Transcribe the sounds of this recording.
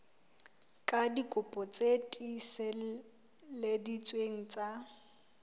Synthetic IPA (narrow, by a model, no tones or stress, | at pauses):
kʼadikʼʊpʼɔt͡sʼetʼisɛ | ledit͡sʼweŋ̩t͡sʼa